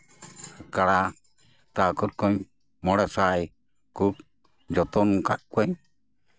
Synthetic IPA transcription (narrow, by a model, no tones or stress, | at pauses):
kaɽa | t̪akɔɾ̚kɔɲ | mɔɽɛsaj | kup | d͡ʒɔt̪ɔnukaʔ̚kʷɛɲ